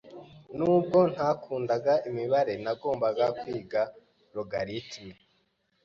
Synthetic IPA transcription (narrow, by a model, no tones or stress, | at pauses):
nuːb̚ɡo̞n̥hakʰuːndaɡaʔimiβaɾe̞naɡo̞ːmbaɡakwiːɡa | ɾoɡaɾitʰi